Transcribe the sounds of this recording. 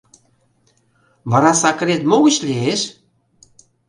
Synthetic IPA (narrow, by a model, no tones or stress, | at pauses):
βɑɾɑsɑk̆ɾet̪moɣə̆ɕleeʃ